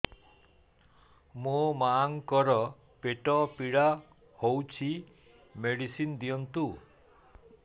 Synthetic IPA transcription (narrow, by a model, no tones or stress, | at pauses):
mumaːŋkɔɾɔ | peʈɔpiɽa | howt͡ʃʰi | meɽisind̪iɔnt̪u